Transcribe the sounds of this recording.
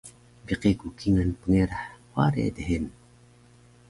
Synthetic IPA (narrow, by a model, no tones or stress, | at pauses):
biqikukiŋanpəŋeɾaħwaɾḛd̪eɦen